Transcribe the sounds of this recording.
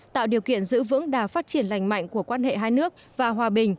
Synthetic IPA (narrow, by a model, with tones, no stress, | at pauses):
t̪a̰ː˧˨wɗi˨˩əwkḭ˧˨ənzɨ̰˧˥vɨ̰˧˥ŋɗaː˨˩faː˦˥t̚t͡ɕi˧˩ənla˨˩jŋ̟ma̰˧˨jŋ̟ku˧˩əkwaː˧nhḛ˧˨ɦaː˧jnɨ˦˥ək̚vaː˨˩ɦwaː˨˩ɓï˨˩ŋ̟